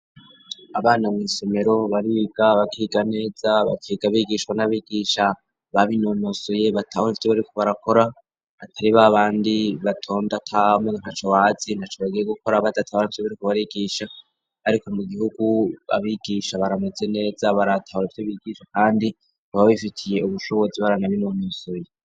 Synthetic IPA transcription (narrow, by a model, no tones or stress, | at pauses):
aβaːnamwiːsome̞ɾo̞βaɾiːɡ̥aβakʰiːɡane̞ːzaβa̰kʰiːɡ̥aβiɡiːʃwanaβiɡiːʃa | βaβino̞nosuje̞βatʰahonifi̥oβaɾikoβaɾako̞ɾa | atʰaɾiβaβaːndiβatʰo̞ːndatʰaamenanhat͡ʃowaːzinat͡ʃoβaɡijeɡuko̞ɾaβadatʰaaanoβaɾikoβaɾiɡiːʃa | aɾikomuɡihuɡuβa̰βiɡiːʃaβaɾameze̞ne̞ːzaβaɾatʰahuɾeftoβiɡ̥iːʃwakaːndi | aβaβifitʰije̞uβuʃo̞βo̞ziβaɾanaβinonosuje